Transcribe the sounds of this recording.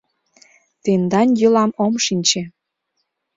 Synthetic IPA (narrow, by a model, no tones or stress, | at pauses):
t̪end̪ɑnjylɑmomʃinʲt͡ɕe